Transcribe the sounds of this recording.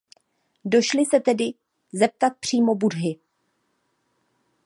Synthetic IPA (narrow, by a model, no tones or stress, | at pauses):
do̞ʃlɪsɛt̪ɛdɪ | zɛp̚t̪at̪̚pr̝̥iːmo̞budɦɪ